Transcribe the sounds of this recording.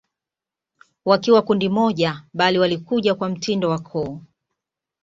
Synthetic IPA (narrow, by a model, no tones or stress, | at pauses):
wakiwakundimɔʄaɓaliwalikuʄakwam̩tʰindɔwakʰɔː